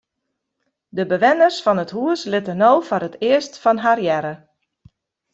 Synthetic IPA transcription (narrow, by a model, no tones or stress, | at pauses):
dəbəʋɪnərsfɔnətɦuəslɪtənoːfoɾətʰɪəstfɔnɦarjɛɾə